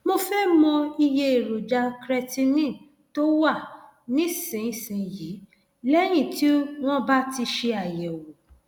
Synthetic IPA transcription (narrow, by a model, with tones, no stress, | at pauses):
mo˧fɛ˦mɔ̃˧i˧je˧e˨ɾo˨d͡ʒa˧kɾɛ˧ti˧nĩ˦˨ | to˦wa˦˨ | nĩ˦sẽ˨sĩ˨ji˨˦ | lɛ˦j̃ĩ˦˨ti˦w̃ɔ̃˦ba˦ti˧ʃe˧a˨jɛ˨wo˨